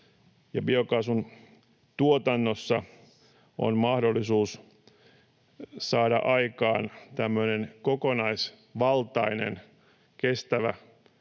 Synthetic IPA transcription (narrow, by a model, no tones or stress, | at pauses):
jɑbiokɑsun | t̪uot̪ɑnːosːɑ | o̰nmɑhdolːˑisuːs | sɑːɾɑ̰ʔɑikɑ̰ːnt̪æmːønenkokonɑis | ʋɑlt̪ɑinḛn | kest̪æʋæ̰